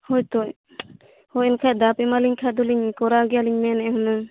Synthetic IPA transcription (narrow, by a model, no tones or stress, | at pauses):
hɔjt̪ɔj | hɔjɛnkʰajd̪apɛmaliɲkʰad̪uliɲkɔɾaɡɛjaliɲmɛnɛɦɔnɯ